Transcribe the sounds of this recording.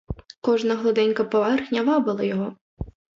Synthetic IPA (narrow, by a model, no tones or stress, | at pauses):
kɔʐnɐɣlˠɔd̪ɛnʲkɐpɔvarxnʲavabɨlˠɐjaɣɔ